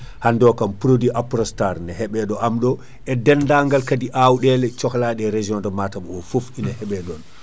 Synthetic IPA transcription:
handɔkampɾodiʔapɾɔstaɾnɛhɛɓɛɗɔʔamɗɔ | ʔɛdɛndaŋɡalkadiʔawɗɛlɛt͡ʃɔxlaːɗɛɾed͡ʒiɔndɔmatamɔfufinahɛɓɛɗɔn

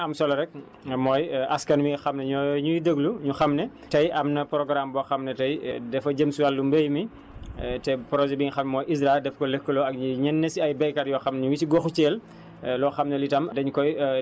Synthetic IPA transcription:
ɐmsɔlɔɾɛk̚ | mɔːjɐskɐnwiŋɡixɐmnɛɲɔɲujdəɡluɲuxɐmnɛ | tɐjɐmnɐpɾɔɡɾambɔːxɐmnɛtɐjdɛfɐɟəmsuwalːumbejmi | tɛpɾɔzɛbiŋixɐmnɛmɔːjʔizɾadɛfkɔlɛkːəlɔɐk̚ɲuɲɛnːɛsiɐjbɛjkɐɾjɔːxɐmnɲuwitiɡɔxut͡ʃɛːl | lɔːxɐmnɛlitɐmdɐɲkɔj

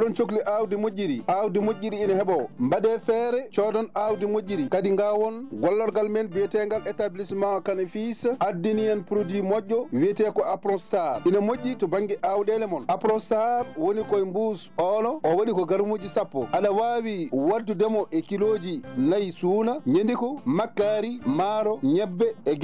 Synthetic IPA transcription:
dɔnt͡ʃokliʔawdimoɟːiɾiʔawdimoɟːiɾiːnahɛɓawmbaɗɛfɛɾɛt͡ʃɔdɔnawdimod͡ʒiɾikadiŋɡawɔnɡɔlːɔɾɡalmɛnbijɛtɛŋɡalɛtablismawakanɛfisʔadːinijanpɾodimɔʄːɔwiɛtɛkɔapɾɔnstaɾʔinamoɟːitɔbaŋɡɛʔawɗɛlɛmɔnʔapɾɔstaɾwonikɔjmbusɔnɔʔɔwaɗikɔɡaɾmoːd͡ʒisapːɔ̰ʔaɗawawiwadudɛmɔʔɛkiloːd͡ʒinajsuːnaɲendikɔmakːaɾimaɾɔɲɛbːɛɛɡ

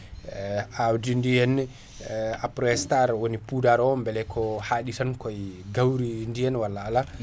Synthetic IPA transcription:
awdindijɛnːɛ | apɾɔɛstaɾwonipudaɾɔmbɛlɛkʰɔhaːɗitankɔjɡawɾindijɛnwalːaːla

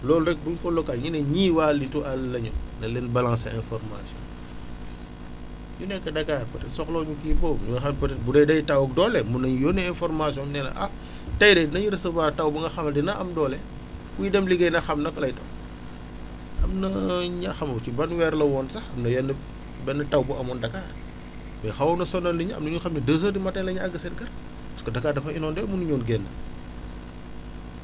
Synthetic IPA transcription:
lɔːlɾɛk̚buɲkɔlɔkalŋinɐɲiːwaːlituʔɐlːɐɲɐnɐlɛnbɐlaŋsɐɛnfɔrma̰siɔ̰n | junɛkːɐdɐkaːrpɐtɛtsɔklɔːɲukiːpɔɲuŋɐxɐnpɐtɛt̚budɐjdɐjtɐwɐk̚dɔlɛmunɐɲjɔnɛɛnfɔrmasiɔnmnɛːnɐ̰ʔɐ | tɐjdɛnɐɲiɾɐsɐbatɐwbɐŋɡɐxɐmɐdinɐʔɐmdɔːlɛ | widɛmliɡɐjnɐxɐmnɐkɐlɐjtɐw | ɐ̰mnɐɲɐxɐmɐcibɐnwɛːɾlɐwɔnsɐxɐmnɐjɐnɐ | bɛnːɐtɐwbuʔɐmɔndɐkaːr | mɛxɐwnɐsɔnɐnliɲɐ̰mnɐɲuxɐmnɐdəs̬əɾdimɐtːɐlɐɲɐɐɡɐsɛnɡɐr | pɐskɐdɐkːaːdɐfɐinɔːndɛmunuɲɔːnɡɛnːɐ̰

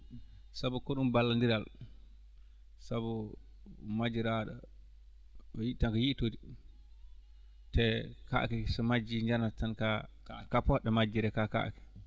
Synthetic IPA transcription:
sabɔkɔɗumbalːandiɾal | sabɔ | mad͡ʒiɾaɗɔ̰ | jiʔtankajiʔtodi | tɛka̰ʔkɛsɔmad͡ʒiɲd͡ʒanatanka | kapɔɗɛmad͡ʒːiɾɛkaka̰ʔkɛ̥

